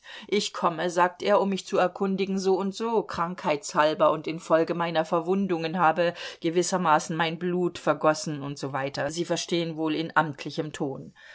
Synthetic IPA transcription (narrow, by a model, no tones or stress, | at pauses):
ʔɪçkʰɔməzaːk̚tʔeːɐʊmːɪçt͡suɛɐkʰʊndɪɡŋ̩zoːʊntz̥oːkʁ̥aŋkhaɪtshalbɐʔʊntɪnfɔlɡəmaɪnɐfɛɐvʊndʊŋənɦaːbəɡ̥əvɪsɐmaːsn̩maɪnbluːtfɛɐɡɔsn̩ʊntz̥oːvaɪtɐziːfɛɐʃteːənvoːlɪnʔamtʰlɪçəmtʰoːn